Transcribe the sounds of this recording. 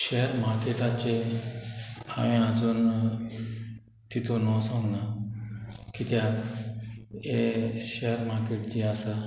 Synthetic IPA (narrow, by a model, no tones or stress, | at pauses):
ɕeɦəɾmaɾkeʈat͡ɕe | a̰ʋĩad͡zuːn | t̪it̪ʰonɔsɔ̃ŋɡna | kit̪ja | eɕeɦəɾmaɾkeʈd͡ʑiasa